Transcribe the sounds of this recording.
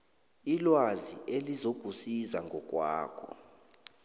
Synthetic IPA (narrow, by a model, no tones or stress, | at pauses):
ilwaziʔelizob̥ʱusizaŋʱɔk̬ʼwa̰ːkʰɔ̰